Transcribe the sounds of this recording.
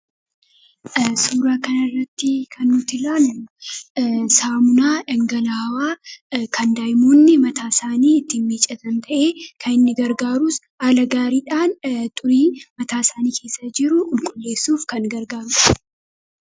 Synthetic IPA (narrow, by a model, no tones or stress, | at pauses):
suːɾaːkɐnɐrːɐt̪ːɪkʰɐnːʊt̪ːɪlaːlʊ | saːmʊnaːᶑɐŋɡɐlaːwaːkɐnd̪aːjmuːnːɪmɐt̪aːsaːniːɪt̪ːinmiːt͡ʃʼːɐt̪ɐnt̪ʰɐʔeːkʰɐnɪnːɪɡɐɾɡaːɾuːs | aːlɐɡaːɾiːᶑaːnt̪ʼʊɾiːmɐt̪aːsaːniːkʰe̞ːsːɐd͡ʒɪɾʊʔɪŋkʼʊlːe̞ːsːuːfkɐŋɡɐɾɡaːɾʼɐ̥